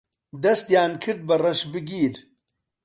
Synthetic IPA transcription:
d̪ɐst̪jaːnkʰɨɾd̪̚bɐrɐʃbɨɡiːɾ

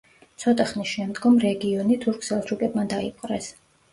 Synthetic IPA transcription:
t̪sʰɔt̪ʼaχnisʃɛmd̪ɡɔmɾɛɡiɔnit̪ʰuɾkʰsɛlˠt̪ʰɾukʼɛbmand̪aipʼqʼɾɛs

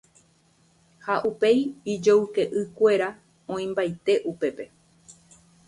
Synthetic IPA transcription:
haʔupe̞jid͡ʒowke̞ʔɨkʷe̞ɾa | õ̞ĩmbajt̪e̞ʔupe̞pe̞

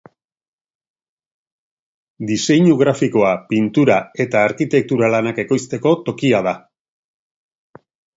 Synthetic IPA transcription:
d̪ise̞ɲuɣɾafiko̞apint̪uɾae̞t̪aːɾkit̪e̞k̚t̪uɾalanake̞ko̞jst̪e̞ko̞t̪o̞kiað̞a

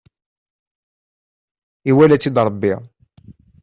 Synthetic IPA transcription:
iwælæt͡sːid̪ɾˤəbːiʁ

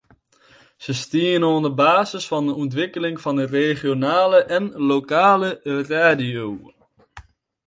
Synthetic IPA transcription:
z̥əstiənondəbaːzəsfɑndəɔntʋɪkəlɪŋvɑndəreχjonaːləʔɛnlokaːləraːdiow

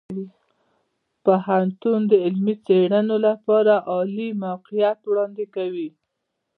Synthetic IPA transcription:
i | pahant̪und̪əɪlmit͡seɽənolapɑɾaʔɑlimawqijat̪wɽɑnd̪ɪkawi

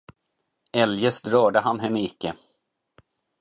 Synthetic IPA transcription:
ɛljəsd̪ɾœːɖəɦanːɦɛmːɪɪkːə

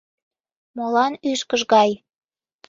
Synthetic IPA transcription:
molɑnyʃkəʒɣɑj

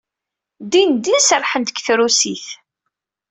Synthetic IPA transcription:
d̪ind̪isərˤħənt̪kθɾusiθ

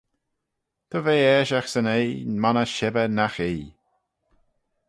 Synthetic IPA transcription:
t̪ʰɔveːɛːʃaxsənejmanəʃɛbənaxeː

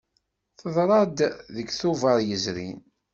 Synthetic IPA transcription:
θəðˤɾˤɑd̪ðəɡθʊvəɾˤjəzɾḭn

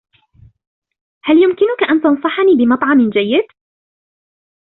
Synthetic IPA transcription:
haljʊmkɪnʊkaʔant̪ɑnsˤɑħɑniːbɪmɑt̪ˤʕɑmɪnd͡ʒajːɪd̪̥

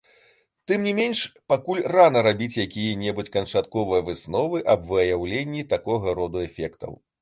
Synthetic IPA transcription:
t̪ɨmnʲimʲenʲʂpakulʲranɐɾabʲit͡sʲjakʲijɐnʲɛbut͡sʲkɐnt͡ʂat̪kɔvɐjɐvɨsnɔvɨʔɐbvɨjawlʲenʲːit̪akɔɣɐɾɔd̪uɛfʲɛkt̪ɐ̰w

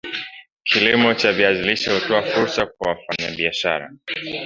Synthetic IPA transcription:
kʰilimɔt͡ʃaviaziliʃahutɔafuɾsak̚wawafaɲaɓiaʃa̰ɾa̰

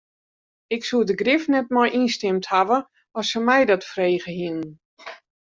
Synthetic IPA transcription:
ɪksuədəɡrɪfnɛt̚mɔjʔinstɪmthavə | ɔsəmɛjdɔtfreːɣəhinən

